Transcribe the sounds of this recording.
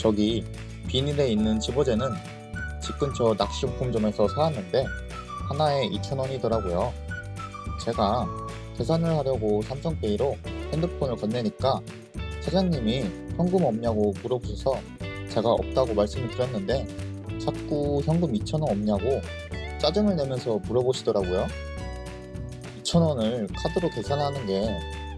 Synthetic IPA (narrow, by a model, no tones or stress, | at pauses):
t͡ɕʌɡi | piɲide̞inːɯnt͡ɕibʌd͡ʑe̞nɯn | t͡ɕip̚k͈ɯmt͡ɕʌnak̚ɕ͈impʰumd͡ʑʌme̞sʰʌsʰaanːɯnde̞ | hanae̞ʔit͡ɕʰʌnʌɲidʌɾaɡojo | t͡ɕe̞ɡa | te̞sʰanɯɭhaɾjʌɡosʰamsʰʌŋpeiɾohendɯpʰʌnɯɭkʌnːeɲik͈a | t͡ɕʰad͡ʑaŋɲimiçjʌŋɡɯmʌmɲaɡomuɾʌboɕʰʌsʰʌ | t͡ɕe̞ɡaʌ̰p̚t͈aɡomaɭs͈ɯmɯɭtɯɾjʌnːɯnde̞t͡ɕak̚k͈uçjʌŋɡɯmit͡ɕʰʌnwʌnʌmɲaɡo | t͡ɕ͈ad͡ʑɯmɯɭnemjʌnsʰʌmuɾʌboɕʰidʌɾaɡojo | it͡ɕʰʌnwʌnɯɭkʰadɯɾote̞sʰanɦanɯnde̞